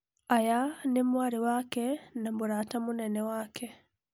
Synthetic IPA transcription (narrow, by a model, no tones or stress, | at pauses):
ajanemwaɾiwakɛnamoɾaːtamonɛnɛwaːkʰɛ